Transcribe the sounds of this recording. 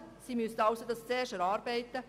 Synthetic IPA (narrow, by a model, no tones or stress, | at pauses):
siːmystɑʊsod̪ɑst͡sɛːʃəɾɑːɾbɛɪt̪ːə